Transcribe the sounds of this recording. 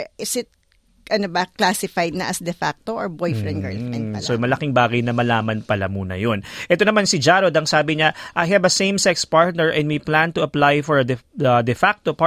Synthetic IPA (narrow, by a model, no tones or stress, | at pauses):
ʔɪsɪt̪̚ | ʔɐnobɐklasɪfajd̪̚nɐʔɐsd̪ɛfak̚t̪oʔɔɹbojfɹɛ̃nd̪ɡɐ̰ɹɛsomɐlɐkɪŋbaːɡɐjnɐmɐlaːmɐnpɐla̰muːnɐ̰jonʔɛt̪o̞nɐmansɪd͡ʒaɾod̪ɐŋsaːbɪɲaʔajhɐbɐsẽjmsɛkspaɹt̪̚nɛɹʔɛ̃nd̪wiplãnt̪ʊɐplajfɔɹd̪ɛɐd̪ɛfak̚t̪opa